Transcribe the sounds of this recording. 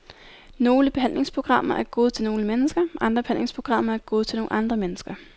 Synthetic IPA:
no̝ːləb̥e̝ɦæn̰le̝ŋspʰʁo̝ɡ̥ʁɑ̈m̰ɐʔæɐɡ̥o̝ːð̞̩ˠt͡sʰe̝lno̝ːləmenəsɡ̥ɐʔɑ̈nd̥ʁɐb̥e̝̥æn̰le̝ŋspʰʁo̝ɡ̥ʁɑ̈m̰ɐæɐɡ̥o̝ːð̞̩ˠt͡sʰe̝lno̝ːŋʔɑ̈nd̥ʁɐmenəsɡ̥ɐ

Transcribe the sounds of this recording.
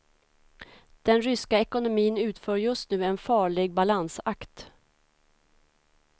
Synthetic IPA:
d̪̥ɛnɾʏskaɛkʊnʊmiːnʉ̟ːt̪føːɾjɵst̪nʉ̟ːɛnfɑːɭɪɡ̚balansakt̪

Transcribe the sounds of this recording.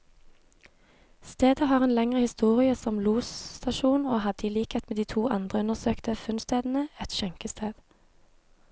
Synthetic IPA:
st̪eːd̪əhɑːʁeːnlɛŋʁəhɪst̪uːʁɪəsɔmluːst̪ɑʃuːnoːhɑd̪əiːliːkɛt̪meːd̪iːt̪ʰuːʔɑ̰nd̪ʁəʉnəʁsøːkt̪ʰəfʉnst̪eːd̪n̩əɛt̪ʃɛŋkəst̪ʰeːd̪̥

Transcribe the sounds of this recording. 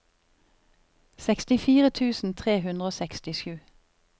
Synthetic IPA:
sɛkst̪ɪfiːʁət̪ʰʉːsn̩t̪ʰʁeːhʉnd̪ʁəoːsɛkst̪ɪʃʉː

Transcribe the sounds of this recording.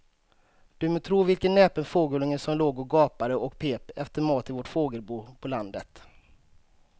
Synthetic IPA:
d̪̥ɵmɛt̪ʰɾuːvɪlkənːɛːpənfoːɡəlɪŋəsɔmloːɡɔɡɑːpaɾəʔɔkpʰeːpɛft̪əɾmɑːt̪ɪvɔʈfoːɡəlbuːpʰɔland̪ət̪

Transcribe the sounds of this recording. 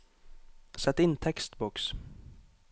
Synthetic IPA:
sɛt̪ːɪnt̪ʰɛkst̪bɔks

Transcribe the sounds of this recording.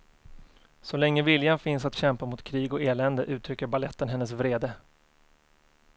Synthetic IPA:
sɔlɛŋːəvɪljanfɪnsat̪ɕɛmpamʊt̪kʰɾiːɡɔeːlɛnd̪əʔʉ̟ːt̪ʰɾʏkːəɾbalɛt̪ːənɦɛnːəs̬vɾeːd̪ə

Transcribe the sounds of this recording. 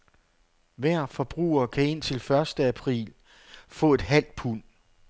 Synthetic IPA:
ʋæɐ̰fɒ̽b̥ʁṵːɐkʰæe̝n̰t͡sʰe̝lfɶɐsd̥əæpʰʁḭːl | fɔ̰̽ːe̝d̥ɦæl̰d̥̚pʰun

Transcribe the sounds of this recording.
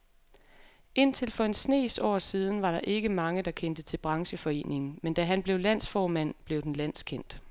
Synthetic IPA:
ʔe̝n̰t͡sʰe̝lfɒ̽e̝nsne̝̰ːsɒ̰ːsiːð̞ˠn̩ʋɑ̈ɾɑ̈ʔe̝ɡ̥əmɑ̈ŋəd̥ɑ̈kʰen̰d̥ət͡sʰe̝lb̥ʁɑ̈ŋɕəfɒ̽e̝̰ːne̝ŋn̩mend̥æɦænb̥le̝ʊlæn̰sfɒːmæn̰b̥leʊd̥en̩læn̰skʰen̰d̥

